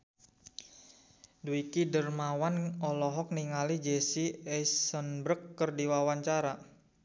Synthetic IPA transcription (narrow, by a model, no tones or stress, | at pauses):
duikidərmawanɔlɔɦɔk̚niŋalid͡ʒesiɛsənbɾəkːərdiwawaɲt͡ʃaɾa